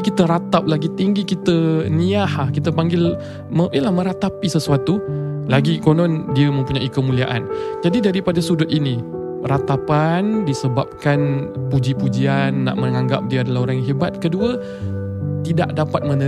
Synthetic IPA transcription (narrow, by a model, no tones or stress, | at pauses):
kit̪əɾat̪ap̚laɡit̪iŋɡikit̪əniahahkit̪əpaŋɡɪl | məʔiəlahmə̃ɾat̪apisəsuat̪ulaɡikonɔndiəmə̃mpuɲaʔikəmuliaʔa̰nd͡ʒadidaɾipadasudʊt̪̚ini | rat̪apandisəbap̚kanpud͡ʒipud͡ʒianːa̰ʔməŋaŋɡap̚diəadalaɦoɾaŋɦebat̪̚kəduə | t̪ida̰ʔdapat̪̚mə̃nə